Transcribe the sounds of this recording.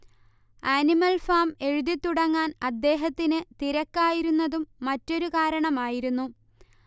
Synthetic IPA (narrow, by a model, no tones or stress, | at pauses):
aːnimɐlfaːme̞ɻuðit̪ːuɽɐŋːaːnɐd̪ːe̞ːɦɐt̪ːinɨt̪iɾɐkːaːjiɾunːɐðumːɐtːo̞ɾukaːɾɐɳɐmaːjiɾunːu